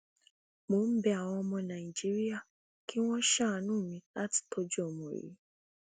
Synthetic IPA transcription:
mo˨˦m̩˦bɛ˧a˨w̃ɔ̃˧ɔ˧mɔ̃˧nã˨i˨d͡ʒi˦ɾi˦a˦˨ | ki˦w̃ɔ̃˦ʃa˦˨nũː˦˨mĩ˧la˦ti̥˨tʰo˦d͡ʒo˨mõ˨ɾḭ˨˦

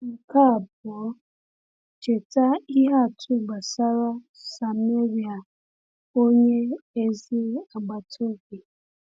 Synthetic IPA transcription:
ŋ̩˨ka˦a˨b̚ɔ˨˦ | t͡ʃe˨ta˦i˦ɦa˦˨tʰu˦˨ɡ͡ba˨sa˦ɾa˦ | sa˨˦m˦e˦ɾi˨a˨ | o˦ɲe˦e˦zi˦a˨ɡ͡ba˨tʰo˦ɡi˨

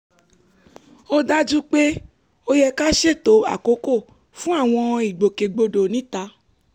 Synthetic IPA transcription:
o˦da˦d͡ʒu˦k͡pe˦ | o˧jɛ˧ka˦ʃe˦˨to˨˦a̰˦˨ko˨˦ko˦˨ | fũ˦a˦˨w̃ɔ̃˧i˨ɡ͡bo˨ke˨ɡ͡bo˧do˨nĩ˨˦ta˧˦

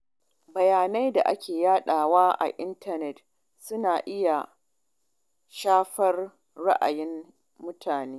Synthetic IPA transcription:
bɐ˨jaː˨na˦jda̰˨ʔa˦kʲeː˨jaː˦ɗaː˨waː˦ʔa̰˨ʔɪ˦ntɐ˦nɛ˨t | sʊ˦naː˨ʔɪ˦ja˨ | ʃaː˦ɸɐ˦r | ɽa˦ʔa̰˨jɪ˦mː | ʊ˦tʰaː˨neː˦

